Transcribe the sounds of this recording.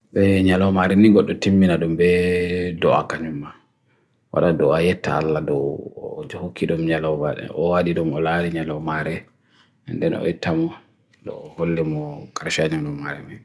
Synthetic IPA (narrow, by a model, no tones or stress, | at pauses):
ɓɛɲalɔmaɾɛniɡɔɗːɔtimbinaɗumbɛdɔa̰kaɲumːa | wa̰ɗadɔajɛtːa̰a̰lːadɔd͡ʒɔhokʰːiɗumɲalɔwbaɗɛ̰ʔɔwaɗiɗumɔlaɾiɲalɔmaɾɛ | ndɛnɔ̰jɛtːamɔ | dɔ̰ːholːɛmɔkaɾʃaɲalɔmaɾɛ̰ni